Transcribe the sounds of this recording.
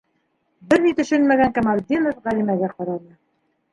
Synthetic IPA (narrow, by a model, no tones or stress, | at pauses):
bɘɾnit̪ɵ̆ʃɵnmæɡæŋkamalʲd̪ʲinɤfʁælimæɡæqɑɾɑnɤ